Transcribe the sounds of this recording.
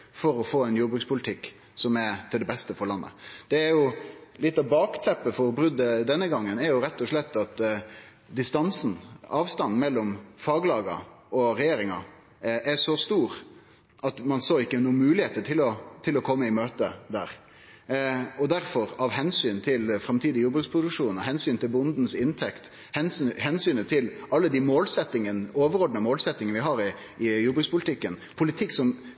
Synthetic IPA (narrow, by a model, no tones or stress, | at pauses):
fɔɾɔfoːɛnjuːbɾʉːkspʊlt̪ʰɪkː | sɔmɛt̪ʰɪld̪ɛbɛst̪əfɔɾɭɑnːə̰d̪̥ɛːɾjʊlɪt̪ːɑbɑːkt̪ʰlɛpːəfɔɾbɾʉd̪əd̪ɛnːəɡɑŋːənɛɾjʊɾɛt̪ːɔʂlɛt̪ːɑt̪ | d̪ɪst̪ɑnsn̩ɑːʋst̪ɑnːmɛlːɔmfɑːɡlɑːɡɑ̰ | ɔɾɛjeːɾɪŋɑ̰ | ɛʂɔst̪uːɾ | ʔɑt̪mɑnsoːɪkːəɛnuːmʉːlɪheːt̪əʈʰɪlɔt̪ʰɪlɔkʰɔmːəɪmøːt̪əd̪æ̰ːɾ | ɔd̪æɾfɔɾɑʋhɛnsyːnt̪ʰɪlfɾɑmt̪ʰiːd̪ɪjʊbʉːd̪spʰɾʊd̪ʉkʂuːnɔɦɛnsyːnt̪ʰɪlbʊnd̪n̩sɪnt̪ʰɛkt̪ | hɛnhɛnsyːnət̪ʰɪlɑlːəd̪ɪmoːlsɛt̪ːɪŋənoːʋəɾɔɖɳəmoːlsɛt̪ːɪŋənʋɪɦɑːɾɪ | ɪjʊbʉːspʰʊlɪt̪ʰɪkːənpʰʊlɪt̪ʰɪkːsɔm